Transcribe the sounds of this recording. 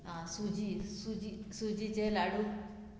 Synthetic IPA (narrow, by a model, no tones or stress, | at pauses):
ɦãsud͡ʑisud͡ʑisud͡ʑit͡ɕelaɽu